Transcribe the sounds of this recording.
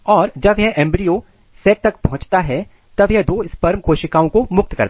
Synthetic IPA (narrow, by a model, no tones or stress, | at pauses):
ɔːɾd͡ʒɐbjɛʔɛ̃ːmbɾio | sɛːk̚t̪ɐkpɐɦʊ̃t͡ʃt̪aɦɛ | t̪ɐbjɛd̪oːɪspɐɾmkoːʃɪkaːõkomʊk̚t̪kɐ̰ɾt̪